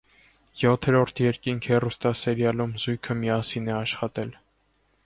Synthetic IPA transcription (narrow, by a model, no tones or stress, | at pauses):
jɔt̪ʰɛɾɔɾt̪ʰjɛɾkiŋkʰhɛrust̪ɑsɛɾjɑlumzujkʰəmiɑsinɛɑʃχɑt̪ɛl